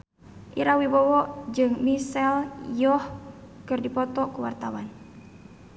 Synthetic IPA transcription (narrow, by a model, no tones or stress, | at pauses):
ʔiɾawibɔwɔʔd͡ʒɨŋmisɛljɔh | kɨrdipɔt̪ɔkuwa̰rt̪awan